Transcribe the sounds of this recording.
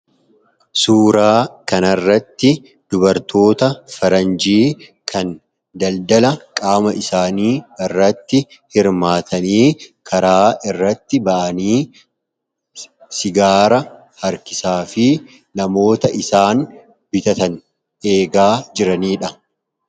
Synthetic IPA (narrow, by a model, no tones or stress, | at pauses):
suːɾaːkɐnɐrːɐt̪ːɪ | d̪̥ʊbɐɾt̪o̞ːt̪ɐfɐɾɐnd͡ʒiːkʰɐn | d̪ɐld̪ɐlɐkʼaːmɐʔɪsaːniːɪrːɐt̪ːɪ | hɪɾmaːt̪ʰɐniːkʰɐɾaːʔɪrːɐt̪ːɪbɐʔɐniː | sɪɡaːɾɐ | hɐɾkɪ̥saːfɪ | nɐmo̞ːt̪ɐʔɪsaːn | bɪt̪ɐt̪ɐn | ʔe̞ːɡaːd͡ʒɪɾɐniːᶑɐ